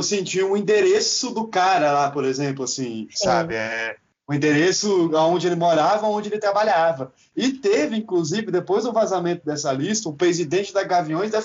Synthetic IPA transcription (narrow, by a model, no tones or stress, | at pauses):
sẽt͡ʃĩɲɐũĩd̪eɾesʊd̪ʊkaɾɐlapoɾezẽplʊasĩsabɪɛ | ʊ̃ĩd̪eɾesʊawõd͡ʒɪelɪmoɾavɐaõnd͡ʒɪelɪt̪ɾabaʎavɐ | ɪt̪evɪĩkluzivɪd̪epojzd̪ʊ̃vazamẽnt̪ʊd̪ɛsɐlist̪ɐʊpɾezid̪ẽnt͡ʃɪd̪ɐzɡavĩõj̃zd̪ɐ